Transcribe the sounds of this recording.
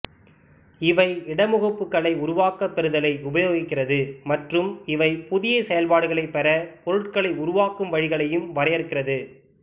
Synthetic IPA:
ɪʋɐɪɪɽɐmʊɣɐpːɯkːɐɭɐɪʊɾʊʋaːkɐpːɛɾɯðɐlɐɪʊbɐjoːɣɪkːɪrɐðɯmɐʈrɯmɪʋɐɪpʊðɪjɐsɛjɐlpaːɽɯɣɐɭɐɪpːɛɾɐpɔɾɯʈ̚kɐɭɐɪʊɾʊʋaːkɯmʋɐɻɪɣɐɭɐjɯmʋɐɾɐjɛɾɯkːɪrɐðɯ

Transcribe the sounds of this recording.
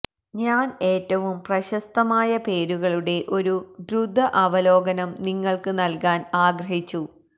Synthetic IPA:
ɲaːne̞ːtːɐʋumprɐɕɐst̪ɐmaːjɐpe̞ːɾuɣɐɭuɽe̞ʔo̞ɾudɾud̪ʱːɐʔɐʋɐlo̞ːɡɐnɐmniŋːɐɭkɨnɐlkaːnaːɡɾɐɦit͡ɕːu

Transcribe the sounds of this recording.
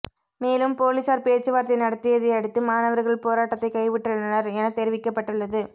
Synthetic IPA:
meːlɯmpoːlisaːɾpeːt͡ʃːɯʋaːɾt̪ɐɪnɐɽɐt̪ːɪjɐðɪɐɽɯt̪ːɯmaːnɐʋɐɾɣɐɭpoːɾaːʈːɐt̪ːɐɪkɐɪʋɪʈːɐɭnɐnɐɾɛnɐt̪ɛɾɪʋɪkːɐpːɐʈːɯɭːɐðɯ

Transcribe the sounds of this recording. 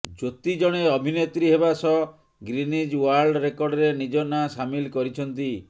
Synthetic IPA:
d͡ʒot̪id͡ʒɔɽ̃eɔbʱinet̪ɾiɦebasɔ | ɡɾinid͡ʒwaɾɖɾekɔɾɖɔɾenid͡ʒɔnasamilkɔɾit͡ʃʰɔnt̪i

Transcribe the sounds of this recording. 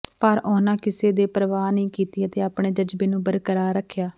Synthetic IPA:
pəɾɔːnãːkɪseːd̪eːpɾəʋaːnĩːkiːt̪iːət̪eːaːpɳeːd͡ʒəd͡ʒbeːnũːbəɾkəɾaːɾəkʰːjaː

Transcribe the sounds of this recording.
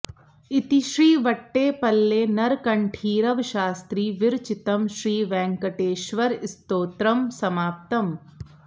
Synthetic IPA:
ɪt̪iʃɾiːʋɐʈːeːpɐlːeːnɐɾkɐɳʈʰiːɾɐʋʃaːst̪ɾiːʋɪɾt͡ʃɪt̪ɐmʃɾiːʋɛ̃ːŋkɐʈeːʃʋɐɾɪst̪oːt̪ɾɐmsɐmaːp̚t̪ɐm

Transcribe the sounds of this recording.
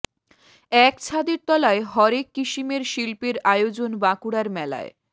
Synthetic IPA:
ɛkt͡ɕʰad̪iɾt̪ɔlaeɦɔɾekːiʃimeɾʃilpeɾajod͡ʑonbakuɽaɾmɛla̰e

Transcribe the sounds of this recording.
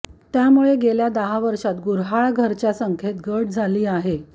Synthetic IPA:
t̪jamuɭeɡeljad̪əɦaʋəɾʂat̪ɡuɾɦaɭɡʱəɾt͡ɕjasəŋkʰet̪ɡəʈ̚d͡zʱaliːaɦe

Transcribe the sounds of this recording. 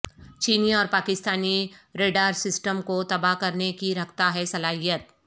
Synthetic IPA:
t͡ʃiːniɔːɾpaːkɪst̪aːniɾeːɖaːɾsɪsʈəmkot̪ɐbakɐɾnekiɾɐkʰt̪aɦɛsɐlaːɦijət̪̚

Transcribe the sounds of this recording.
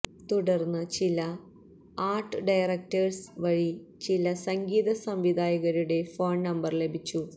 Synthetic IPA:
t̪uɽɐrnːɨt͡ɕilɐ | aːrʈːɨɖɐjrɐk̚tɐrsʋɐɻit͡ɕilɐsɐŋɡiːðɐsɐmʋid̪ʱaːjɐɣɐɾuɽe̞foːɳnɐmbɐrle̞bʱit͡ɕːu

